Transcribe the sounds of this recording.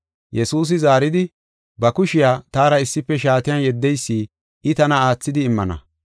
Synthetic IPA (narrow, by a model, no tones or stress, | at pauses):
jɛsuːs̬ɪzaːɾɪd̪ɪ | bɐkʊʃɪjaːt̪aːɾɐɪsːɪpːɛʃaːt̪ɪjɐnjɛd̪ːɛjsːiː | ʔɪt̪ɐnɐaːt͡sːɪd̪ɪːmːɐnɐ̰